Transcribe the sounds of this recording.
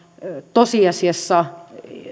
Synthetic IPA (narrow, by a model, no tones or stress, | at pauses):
t̪osiɑsiɑsːɑ